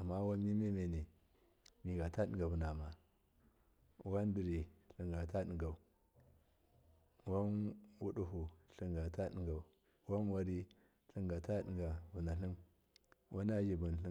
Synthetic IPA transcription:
a˨mːa˦wa˦mi˦me˦me˨ne˨ | mi˨ɡa˨ta˦ɗḭ˨ŋɡa˨vu˨na˨ma˨ | wa˦n˦di˨ɾi˨ɬi˨ŋɡa˨ta˦ɗi˨ŋɡa˨u˨ | wa˦nwu˦ɗu˨ɦu˨ɬi˨ŋɡa˨ta˦ɗi˨ŋɡa˨u˨ | wa˦nwa˦ɾi˦ | ɬi˦ŋɡa˨ta˦ɗi˨ŋɡa˨vu˨na˨ɬi˦m | wʔa˦na˦d͡ʒi˨bu˨n˨ɬi˦

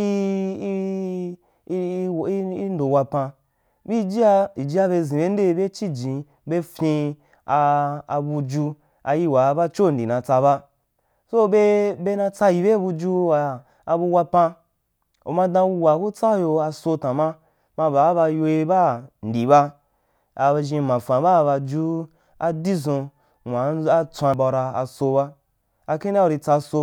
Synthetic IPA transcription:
i˧˦ | i˦n˦do˨wa˧pã˧ | bi˦˨d͡ʒi˦a˧i˨d͡ʒi˦a˧βe˧zĩ˨be˦n̩˦de˦˧be˦t͡ʃi˦d͡ʒĩ˨ | be˦fĩ˧ | aː˧bu˧d͡ʒu˧ | a˧ji˧wa˨˧ba˦t͡ʃo˦˨n̩˨di˨nã˧t͡sa˧βa˦ | so˦be˧be˧nã˧t͡sa˧ji˨be˦˨bu˧d͡ʒu˧wa˨ | a˧bu˧wa˧pã˧ | o̰˨mã˧dã˧u˧wa˨ku˦t͡sa˦jo˧a˧so˧tã˨mã˦ | mã˧ba˨˦ba˧jo˧e˧ba˦˨n̩˨di˨βa˧ | a˧ʒĩ˧mã˨fã˨ba˦˨˧ba˧d͡ʒu˦ | a˦di˦zõ˧ | ŋʷã˨˦a˦t͡sʷã˧ba˧ɾa˧a̰˧so˧ba˦ | a˧kĩ˦na˦u˧ɾi˧t͡sa˧so˧

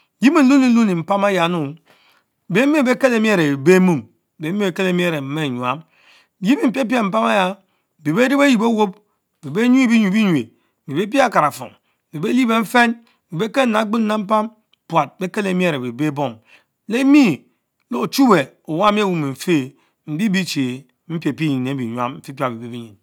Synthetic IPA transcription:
ji˦mi˨n̩˦lu˦ni˨n̩˦lu˦ni˨m̩˨pa˦ma˦ja˨˦nu˨ | be˦mi˦˨be˦ke˦le˨˦m˦e˦ɾe˨e˨be˦mu˦˨m˨ | be˨˦m˦e˨˦ke˦le˨˦m˦e˦˨ɾe˨m̩˨me˦˨ɲu˨a̰˦m | ji˦mi˦˨m̩˨pe˦p̬i˦a˦˨m̩˨˦pa˦ma˦ja˨ | be˨be˦ɾi˦be˦ji˨bo˦wo˦b̚ | be˨be˦ɲ˦i˦bi˦ɲu˨˦i˦ɲwe˨ | mi˨be˦p̬i˦a˦˨ka˨ɾa˨fɔ̰˨ŋ˨ | be˨be˦li˦be˨m̩˦fe˦n˨ | bi˨be˦ke˦na˨˦ɡ͡bi˦na˨m̩˦pa˦m | pwa˨t̚be˦ke˦le˨˦mi˦e˦˨ɾe˨be˨be˦bo˦˨ŋ | le˦mi˦ | lo˦o˨t͡ʃu˦be˨ | o˨wa˦mi˦e˦wu˦me˨ɱ̩˨fe˦˨ | m̩˨bi˦bi˦t͡ʃe˨ | m̩˦pʲe˨pi˦ɲi˨nːe˨˦bi˨ɲʷ˦a˦mm̩˨fi˦pʲa˨bi˨be˦bi˦ɲi˨n

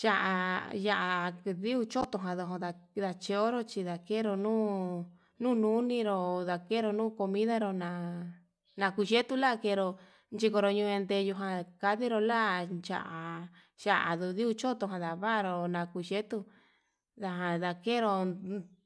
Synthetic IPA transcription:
t͡ʃa˧ʔa˧ja˧ʔa˧ði˦u˧t͡ʃo˦t̪o˧ɦã˧ðo˧ɦõ˧ða˧ | ða˧t͡ʃe˧o˦ɾo˦t͡ʃi˧ða˨ke˦ɾo˧nũː˦ | nũː˦˧nũ˦nĩ˧ɾo˧ða˧ke˦ɾo˧nũː˦˨ko˧mĩ˦ða˦ɾo˧nã˧ | nã˧ku˧ʃe˦t̪u˦˧la˦˧ke˧ɾo˧ | nt͡ʃi˧ko˧ɾo˧ɲũ˧ẽ˧nd̪e˧ju˧ɦã˧ka˧ði˦ɾo˧la˦˧t͡ʃa̰˧ʔa˨ | ʃa˧ʔa̰˨ðu˧ði˦u˧t͡ʃo˦t̪o˧ɦã˧ða˨βa˦˧ɾo˧nã˧ku˧ʃe˦t̪u˧ | ða˧ɦã˧ða˧ke˦ɾo˧

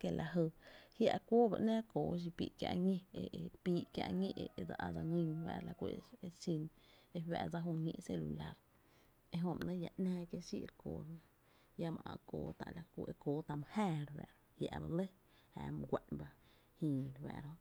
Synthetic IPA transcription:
ke˧˨lʔa˨ɦə˧hja˧ʔkʷoː˦ba̰˧ʔnɛ̃ː˦koː˨ʃ̬i˧pḭː˧˨ʔkʲja̰˧ʔɲẽ˦eʔe˧pi˦ʔkja̰˧ʔŋẽ˧ʔe˧d͡za˧ʔa˧d͡za˧ŋĩ˧ɲwɛ̰˧˨la˧˨kʷe˧˨e˧si˧ne˧wɛ˧˨d͡za˦ɦu˧ɲḛ̃˧ʔse˧lu˨la˧ɾ | e˧ɦõ˧m˨nə̃˦ja˧ʔnɛ̃ː˦kja˧ʃḭ˦ʔɾkoː˨ɾnã˦ | ja˦mã˨ʔã˧koː˨t̪a̰˨ʔla˨kʷːe˧koː˨˦t̪a˧m˧hɛː˦˧ɾwɛ̰˧˨ɾ | hja˧ʔba˧lə˦ | haː˨m˧ɡʷe˧ʔnba˧ | hĩː˧˨ɾwɛ̰ː˧˨ɾo˦

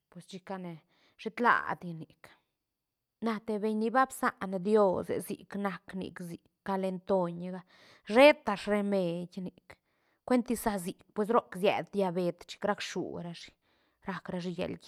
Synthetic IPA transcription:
pwe˨st͡ʃi˧ka˧ne˨ | ʂe˦t̪la̰˧˨d̪ja˧ni˨k | na˧t̪e˧be˧ɲni˧ba˦bsa̰˧ʔnd̪jo˦sḛ˨zḭ˨kna˧knḭ˨kzi˨kːa˧le˧nt̪o˧ɲɡa˦ | ʐe˦t̪ːa˧ʂɾe˧me˨dʲni˨k | kʷe˦nt̪i˧sa˧zi˨k̚pwe˧s̬ɾo˦kzjɛ̰˨d̪d̪ja˧be˨˧t̪t͡ʃi̥˧kɾa˦kʂṵ˨ɾa˧ʂi̥˧ | ɾa˧kɾa˧ʐi˧jḛ˨lɡ

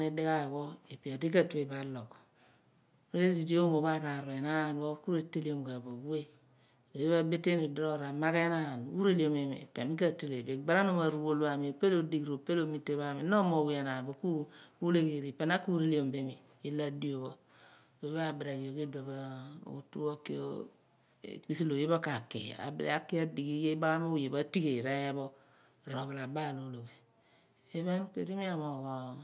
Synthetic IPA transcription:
ni˦di˦ka˦˨ko˦e˨pi˨o˨di˦ka˨tu˦e˨ba˨lo˨k | pe˦e˦zi˨di˦o˦mo˨βa˦ɾa˨ɾe˨na˦˨n˦o˦ku˦ɾe˨tːe˦li˦o˨m˨ka˨bo˨ɡu˦e˦˨ | o˨e˦βa˦be˦tːe˦ni˨dɾo˦˨ɾa˨ma˦ke˦na˦˨n˨u˦ɾe˦li˨o˨me˨mḛ˨pe˨mi˦ka˦te˦˨le˨be˨ɡ͡ba˦ɾa˦no˦˨ma˨ɾu˨bo˨la˨mi˨o˨pe˦lo˨di˦kɾo˨pe˦lo˦mi˦tːe˦βa˦˨mi˨˦no˦mo˨wje˨na˨bo˨ku˦u˦le˦ke˨ɾi˨pe˦˨na˦ku˦ɾi˦li˦o˨mbe˦mi˨ | i˦la˦di˦o˨βo˦ | o˨˦βa˦˨bɾa˨ɡi˨jo˨ki˦do˨ba˦o̰˨u˨tu˦wo˦kḛ˦o̰˦˨ | k͡pi˦si˦lo˨je˦bo˦ka˨kḛ˨a̰˨b̰lḛ˦a˦ki˦a˦di˨ki˦je˦ba˦ɣa˦m˦o˦˨je˨ba˦ti˦ke˨ɾa˦ja˦bo˦˨ | ɾo˨be˨la˨ba˦˨lo˨˦lo˨ke˨ | e˦be˦nkḛ˨ɾi˦mi˦a˨mo˨ɣo˨

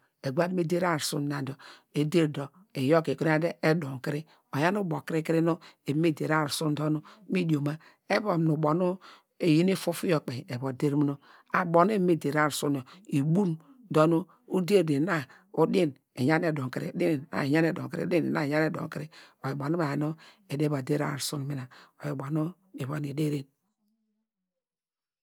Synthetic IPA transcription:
e˨ɡʷa˦me˦de˦ɾa˦ɾsu˦n˨na˨n˨do˨e˦de˦ɾdo˨ | e˨jo˦ke˨ko˦ɾa˦de˦e˦do˨ŋ˨ki˦ɾi˦ | o˨ja˦nu˦bo˨ki˦ɾi˦ki˦ɾi˦no˦e˨˦me˦de˨ɾa˦˨ɾsu˦n˦do˦nu˦mi˦di˨o˨ma˦ | e˦bo˨m˨nu˨bo˨nu˦ | e˨ji˦ne˦fu˦fu˦jo˦˨k͡pe˨e˨bo˨de˦ɾmu˦no˦ | a˨bo˨n˦e˦me˦de˨ɾa˦ɾsu˦n˨o˨i˨bu˦n | do˦no˦ | u˦de˦˨de˨na˦ | o˦di˦n | e˨ɲa˦ne˨do˨ŋki˨ɾḛ˨˦di˦n˨a̰˦˨ɲa˦ne˨do˨ŋ˨ki˦ɾḛ˨˦di˦n˨na˦˨ɲa˦ne˦do̰˨ŋ˨ki˦ɾe˨o˨ji˨bo˨nu˦a˨no˦ | e˨de˦ba˨de˦ɾa̰˦˨ɾsu˦nmi˨na˨o˨ji˨bo˨no˦ | e˨βo˦ni˨de˦ɾe˦n

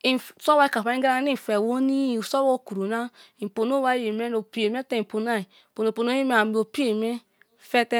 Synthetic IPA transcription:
i˨so˦wa˦i˦ka˨fa˨˦i˦a˦ɾa˦ni˦˨fe˨wo˦ni˦˨so˦wo˦˨ku˨ɾu˨na˦i˨po˨no˦wa˦e˨me˦no˨pi˨e˨m˦e˦te˦i˨po˨n˦a˦i˨po˨no˨po˨no˦i˦me˦a˨bo˨pi˦e˨me˦ | fe˦te˦

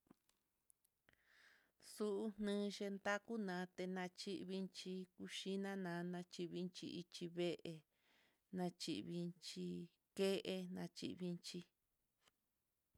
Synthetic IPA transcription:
su˦ʔu˧˦n̥nɨ̃ː˦ʃe˧nd̪a˦ku˦nã˨˦t̪e˧nã˧t͡ʃi˦ʔβi˧nt͡ʃi˧ku˧ʃi˦nã˦nã˨˦nã˧t͡ʃi˧βi˧nt͡ʃḭ˧ʔi˧t͡ʃi˧βe˦ʔe˧ | nã˧t͡ʃḭ˧ʔβi˧nt͡ʃi˧ | ke˦ʔe˧nã˧t͡ʃḭ˧ʔβi˧nt͡ʃi˧

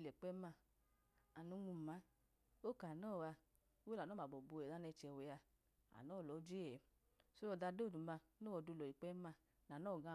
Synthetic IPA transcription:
lɛ˨k͡pɛ˦ma˧ | a˨nu˨˦ŋu˧˨ma˨˦ | o˦˨ka˨nɔ˦˨wa˧ | o˦we˦la˨ɔ˦˨a˨bɔ˨bu˧ɛ˨a˦nɛ˧˨t͡ʃɛ˨we˨ja˧ | a̰˨nɔː˦˨lɔ˨˦d͡ʒe˦ɛ˨ | so˦o˧˨da˧do˦˨du˨ma˧ | no˦ɔ˨du˧lɔ˨i˨k͡pɛ˦ma˧ | na˨nɔ˦˨ɡã˧

